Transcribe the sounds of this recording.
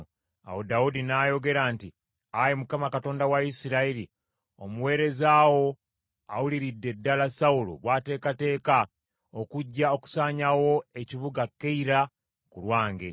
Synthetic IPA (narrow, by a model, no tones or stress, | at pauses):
a̰wodaudinaːjo̞ɡe̞ɾaːnti | ajemukamakato̞ːndawaisiɾaiɾi | o̞muwe̞ːɾe̞zaːwo̞ | a̰wuliɾidːe̞dːalasaulo̰βwaːte̞ːkate̞ːka | o̞kuɟːao̞ku̥saːɲawo̞eciβuɡakːeiɾa | kulwaːŋɡḛ